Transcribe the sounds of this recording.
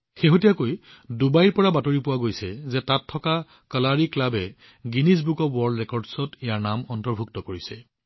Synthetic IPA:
xeɦotijakoj | dubajɹpɔɹabatoɹipʊwaɡojsɛzɛtatʰːɔka | kalaɹiklabɛ | ɡinis̬bukɔwɔɹldɹɛkɔɹdsɔtɛjaɹnamɔntɔɹbʱuk̚tɔkoɹisɛ

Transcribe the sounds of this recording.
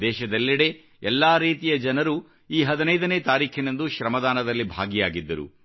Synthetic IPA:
d̪ɛːʃɐd̪ɐlːiɽe̞ | ɛlːaːɾiːt̪ijɐd͡ʒɐnɐɾu | iːɦɐd̪inɐjd̪ɐne̞ːt̪aːɾiːkʰinɐnd̪uʃɾɐmɐd̪aːnɐd̪ɐlːibʱa̰ːɡijaːɡid̪ːɐɾṵ

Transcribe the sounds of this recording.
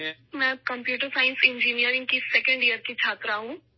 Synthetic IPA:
mɛ̃ːkɐ̃mpjuːʈəɾsaːɪ̃nsɪ̃ɲd͡ʒinijəɾɪ̃ŋɡkisɛkə̃ɳɖijəɾkit͡ʃʰaːt̪ɾaɦũː

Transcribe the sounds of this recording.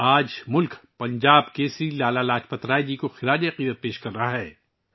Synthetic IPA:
aːd͡ʒmʊlkpɐ̃ɲd͡ʒaːbkeːsɾilaːlalaːt͡ʃpɐt̪ɾaːjd͡ʒikoxɪɾaːd͡ʒiɐqiːd̪ət̪̚peːʃkɐɾːɐɦaɦɛː

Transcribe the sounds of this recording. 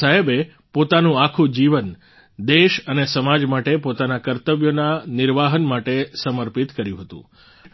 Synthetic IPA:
aɦebe | pot̪anũakʰũd͡ʒiʋən | d̪eʃənesəmad͡ʒmaʈepot̪anakəɾt̪əʋjonanɪɾʋaɦənmaʈesəməɾpit̪kəɾjũɦət̪ṵ̃

